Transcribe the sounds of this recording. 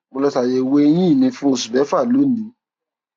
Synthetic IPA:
mo˧lɛ˦˧ta˧˨je˧˨we˦j̃ĩ˦˨nĩ˧fũ˦˧su˨bɛ˨˦fa˦˨lo˦nĩ˨˦

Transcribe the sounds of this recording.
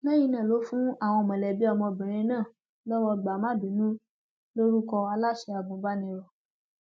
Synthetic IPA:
lɛ˦ji˧˦nã˦˨lo˨˦fũ˦a˦˨w̃ɔ̃˧˨mɛ̃˨lɛ˨bi˨˦ɔ˧mɔ̃˧bĩ˨ɾ̃ĩ˧nãː˦˨ | lɔ˦wɔ˧ɡ͡ba˨˦mã˦˨bĩ˨˦nũ˦ | lo˦ɾu˦kɔ˧a˧la˦ʃɛ˧a˨bũ˨˦ba˦nĩ˧˦ɾɔ˨

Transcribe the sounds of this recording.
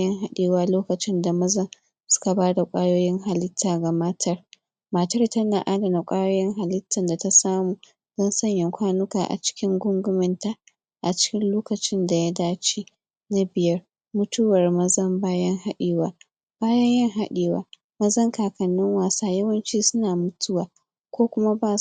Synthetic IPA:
jɐ˦ŋɦa˦ɗiː˨waː˦loː˦kɐ˨t͡ʃɪ˦nda˨mɐ˦zɐ˦m | sʊ̥˦ka˨baː˦da˨kʷʼaː˦joː˦jɪ˦ŋɦa˨lɪ˦tʰːaː˨ɡa˨mɐ˦tʰɐ˦r | maː˨tɐ˦rtɐ˦na˨ʔa˦dɐ˨na˨kʷʼaː˦joː˦jɪ˦ŋɦa˨lɪ˦tʰːɐ˨nda˨ta˦saː˦muː˨ | z̥ɐ˦nsɐ˦ɲjɐ˨ŋkʷaː˦nʊ˦kaː˨ʔa̰˨t͡ʃɪ̥˦kʲɪ˦ŋɡʷʊ˦ŋɡʷʊ˦mɪ˨nta˦ | ʔa˨t͡ʃɪ̥˦kʲɪ˦nloː˦kɐ˨t͡ʃɪ˦nda˨ja˦daː˦t͡ʃiː˦ | na˦bɪ˨jɐ˦r | mʊ˦tʊ˦wɐ˨rmɐ˦zɐ˦mbaː˦jɐ˦ŋha˦ɗiː˨waː˨ | b̥aː˦jɐ˦ɲjɐ˦ŋɦa˦ɗiː˨wa̰ː˨ | mɐ˦zɐ˦ŋkaː˨kɐ˨nːɪ˦ŋwaː˨saː˦jɐ˦wɐ˦nt͡ʃiː˦sʊ˦naː˨mʊ˦tʊ˦waː˨ | kʷoː˦kʷʊ˦ma˦baː˦

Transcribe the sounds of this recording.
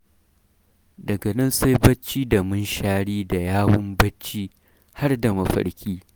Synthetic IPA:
dɐ˨ɡɐ˨nɐ˦nsa˦jbɐ˦t͡ʃːiː˦da˨mʊ˦nʃaː˦ɽiː˦da˨jaː˦wʊ˦mbɐ˦t͡ʃːiː˦ | ha˦rda˨mɐ˨ɸɐ̰˨ɽkʲiː˦

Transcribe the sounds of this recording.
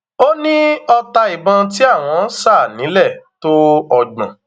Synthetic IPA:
o˦nĩ˦ɔ˧ta˧i˨bã˧ti˦a˦˨w̃ɔ̃˧˦sa˦˨nĩ˨˦lɛ˦˨to˦ɔ˧ɡ͡bã˨

